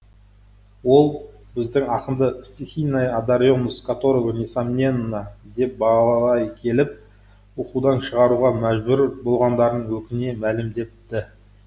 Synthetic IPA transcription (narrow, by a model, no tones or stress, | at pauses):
wo̞lˠ | bɪzd̪ɪŋɑqənd̪əpsʲixʲijnajad̪aɾo̞nəskat̪o̞ɾovnisamʲenːɑd̪e̞p̚bɑɑlˠɑʁˠɑjkʲʰe̞lɪp̚ | wo̞qud̪ɑnʃəʁɑɾuʁɑmæʒbʏɾbo̞lˠʁɑnd̪ɑɾd̪əɴwɵkʲɪne̞mælɪmd̪e̞tt̪ːɪ